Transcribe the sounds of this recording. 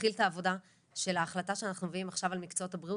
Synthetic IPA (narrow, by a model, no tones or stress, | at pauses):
iltaːvo̞da | ʃe̞laːχlataʃeanaχnumeviimaχʃavalmikt͡soothabʁiu